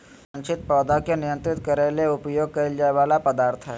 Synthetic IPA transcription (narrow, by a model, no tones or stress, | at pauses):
sɐ̃nʃʰɪt̪̚pɔːd̪akenɪjə̃nt̪ɾɪt̪̚kɐɾeleʊpjoːɡ̚kɐɾɪld͡ʒaːeʋaːlapəd̪aːɾt̪ʰɦɛː